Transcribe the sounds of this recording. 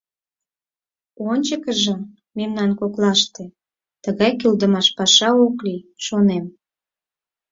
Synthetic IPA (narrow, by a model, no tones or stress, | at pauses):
onʲt͡ɕəkəʒə̆ | memnɑnkoklɑʃt̪e | t̪əɣɑjkøld̪əmɑʃpɑʃɑokliʃonem